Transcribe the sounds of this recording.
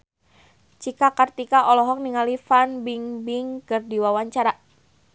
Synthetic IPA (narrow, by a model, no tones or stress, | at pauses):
t͡ʃikakart̪ikaʔɔlɔɦɔk̚niŋalifanbiŋbiŋkɨrdiwawaɲt͡ʃaɾa